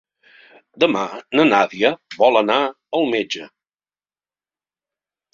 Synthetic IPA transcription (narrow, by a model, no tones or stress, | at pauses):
d̪əmanənaðiəβɔlˠəna | əlˠmed͡ʒə